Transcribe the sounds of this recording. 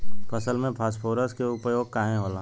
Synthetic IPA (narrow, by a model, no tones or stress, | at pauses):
pʰəsəlmẽpʰaːspʰoːɾəskeʊpjoːɡ̚kaːɦẽɦoːlãː